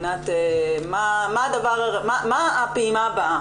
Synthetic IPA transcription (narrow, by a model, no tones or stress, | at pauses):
nat̪emamaːd̪avaʁaʁmamaːpeimabaʔa